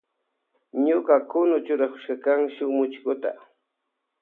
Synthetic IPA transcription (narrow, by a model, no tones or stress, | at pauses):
ɲʊkakʊnʊt͡ʃʊɾakʊ̥ʃkakaŋʃʊmʊt͡ʃkʊt̪a̰